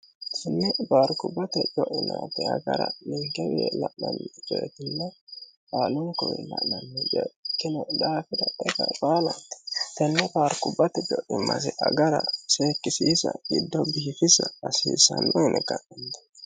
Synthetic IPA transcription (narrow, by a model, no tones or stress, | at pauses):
sɪnːɛbaːɾkʊbːɐt̪ɛd͡ʒɔʔɪnaːt̪ːɛɐɡɐ̰ɾɐnɪŋɡɛweːlɐʔnɐnːɪɪbeːt̪ɪnːɐbaːlʊŋkɔwɛ̰lɐ̰ʔnɐnːɪd͡ʒɛkːɪnɛd̪aːfɪd̪ɐɛɡɐbaːlɐnt̪ɛ̥t̪ɛnːɛbaːɾkʊbːɐt̪ɛd͡ʒɔʔɪmːɐsɛʔɐɡɐɾɐseːkːɪsiːsɐɡɪd̪ːɔbɪhɪfɪsɐɐsḭːsɐnːɔɪnʔɛɡɐʔɪnt̪ɛ̥